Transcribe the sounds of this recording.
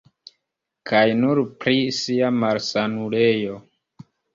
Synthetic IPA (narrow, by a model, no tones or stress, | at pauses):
kʰajnuɾpɾisiamaɾsanulejo̞